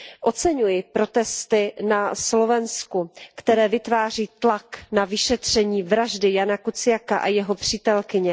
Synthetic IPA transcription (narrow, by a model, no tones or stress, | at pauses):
ʔo̞t͡sɛɲujɪpɾo̞t̪ɛst̪ɪnaslo̞vɛnskukt̪ɛɾɛːvɪt̪vaːr̝iːt̪laknavɪʃɛt̪r̝̥ɛɲiːvɾaʒdɪjanakut͡sɪjakaʔajɛɦo̞pr̝̥iːt̪ɛlkɪɲɛ